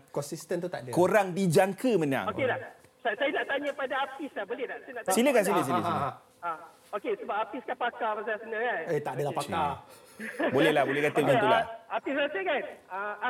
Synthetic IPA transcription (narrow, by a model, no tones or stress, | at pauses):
kɔnsist̪ənt̪ut̪aʔdəkoɾaŋdid͡ʒaŋkəmənã̰ŋokelah | sasajanaʔt̪aɲãpadaːt̪islabolɛlahsajanaʔsiləkans̬iləs̬ilə | a | okesəbap̚at̪iskanpakapasajasənakanet̪aʔdəlapaka | bolɛhlahbolɛhkat̪əɡanula̰ap̚t̪isasəkansaa